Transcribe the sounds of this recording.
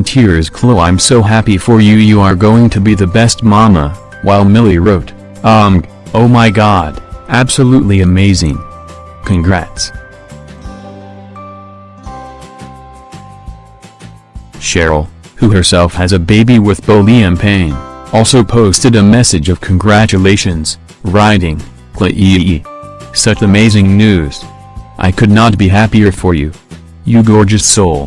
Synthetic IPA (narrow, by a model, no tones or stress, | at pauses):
ntʰɪɹz̥kʰl̥oʊãɪ̃msoʊɦæpifə˞jɨjɨə˞ɡoʊɪ̃ŋtʰɨbiðɨbɛst̚mɑmə̰ | waɪlˠmɪlˠiɹoʊɾ | ʌ̃m | oʊmaɪɡɑdæb̥səluʔˡliɨmeɪzɪ̰̃ŋ | kʰɨ̃nɡɹɛ̰ts | ʃɛɹl̩ˠ | huə˞sɛlˠfhɨzɨbeɪbiwəðb̥oʊlˠiɨ̃npʰẽɪ̃nɔlˠsoʊpʰoʊstɨɾɨmɛsɨd͡ʒʌv̥kʰɨ̃n̩ɡɹæt͡ʃɨleɪʃɨ̃nz̥ | ɹaɪɾɪ̃ŋ | kʰl̥ɛʔɨɨisʌt͡ʃɨmeɪzɪ̃ŋnʉz̥ | ʔa̰ɪkʰɨdⁿnət̚b̥iɦæpiə˞fə˞jʉ | jɨɡɔɹd͡ʒɨssoʊlˠ